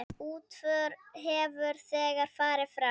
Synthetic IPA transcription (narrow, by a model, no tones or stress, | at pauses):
uːt̪fœɾɦɛvʏɾ̥θɛːɣaɾ̥faːɾɪfɾa